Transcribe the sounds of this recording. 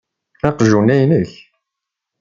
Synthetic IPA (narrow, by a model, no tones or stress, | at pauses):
θɑqʒunæjnəç